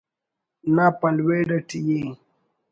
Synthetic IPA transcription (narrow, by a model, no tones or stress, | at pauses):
napɐlweːɖɐʈiji